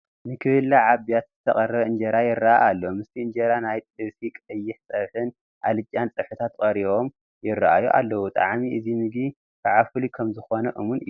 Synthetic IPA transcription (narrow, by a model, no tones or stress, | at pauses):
nɨkʰɨhɨlːaʕaβijat̪zɨt̪ʰɐ̰χʼɐrɐβɨnd͡ʒɐɾajɪrːaʔa̰ʔalːomɨst̪ʰiɨnd͡ʒeɾanajt̪ʼɨβsikʼɐjːɪħsʼɐβħɨn | ʔa̰lɨt͡ʃʼːant͡sʼɨħɨt̪ʰat̪kʼɐɾiβo̞m | jɪrːa̰ʔajuʔa̰lːɐwut̪ʼaʕmiʔɨzimɨɡi | kʰaʕafɨlikʰɐmzɨxo̞nɐʔɨmunɨjːu